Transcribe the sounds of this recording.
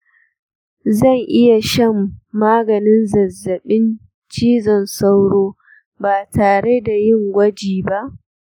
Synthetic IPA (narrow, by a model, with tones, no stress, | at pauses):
zɐ˦˨ŋʔɪ˦ja˨ʃɐ˦˨mːaː˦ɡɐ˨nɪ˦nzɐ˨zːɐ˨ɓɪ˦n | t͡ʃiː˦zɐ˨nsa˦wɽoː˦ | baː˨taː˨ɽe˦da˨jɪ˦ŋɡʷɐ˦d͡ʒiː˨ba˦ʔ